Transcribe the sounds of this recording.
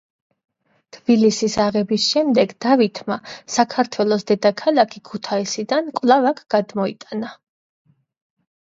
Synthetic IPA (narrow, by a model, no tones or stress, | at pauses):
t̪ʰb̥ilisisaʁɛbisʃɛmd̪ɛɡd̪̥avit̪ʰmasakʰaɾt̪ʰwɛlˠɔsd̪ɛd̪akʰalˠakʰikʰut̪ʰaisid̪ankʼwlˠavakʰɡ̥ad̪mɔḭt̪ʼana